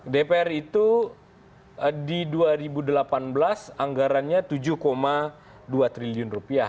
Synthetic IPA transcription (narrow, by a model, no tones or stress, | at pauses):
depeɛrit̪u | diduaɾibudəlapanbəlasaŋɡaɾanɲat̪ud͡ʒuhkoma | duat̪ɾiliʊnrupiah